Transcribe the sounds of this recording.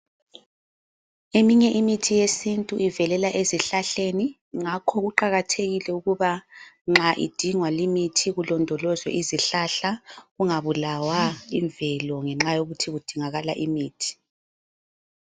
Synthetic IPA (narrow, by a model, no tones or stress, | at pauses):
emiɲɛʔimitʰijesintʼuʔivɛlɛlaʔeziɬaɬeni | ŋakʰɔɣuǃaɣatʰeɣilɛuɣuβaŋ͡ǁaʔḭd̥ʱiŋwalimitʰiɣulɔndʱɔlɔzwɛ̰ʔiziɬaɬaɣuŋaβulawaiɱvɛlɔŋɛŋ͡ǁajoɣutʰiɣud̥ʱiŋaɣala̰ʔimiːtʰi̥